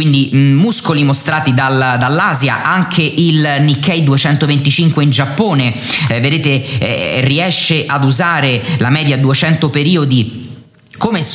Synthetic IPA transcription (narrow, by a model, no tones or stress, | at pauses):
kwind̪imuskolimost̪ɾaːt̪id̪ald̪alːaːzja̰ʔaŋkʰeʔilnikːɛjd̪uet͡ʃɛnt̪ovent̪it͡ʃiŋkweind͡ʒapːoːneved̪eːt̪eɛ̰riɛʃːeʔad̪uzaːɾelamɛːd̪jad̪uet͡ʃɛnt̪opeɾiːod̪i | komes